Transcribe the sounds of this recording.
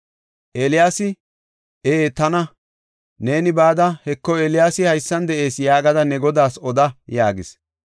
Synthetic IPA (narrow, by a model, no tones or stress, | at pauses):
ʔelɪjaːsɪ | eːt̪ɐnɐ | ne̞ːnɪbaːd̪ɐhɛkːɔeːlɪjaːsɪhɐjsːɐnd̪ɛʔe̞ːsjaːɡɐd̪ɐnɛɡɔd̪aːsɔd̪ɐjaːɡɪs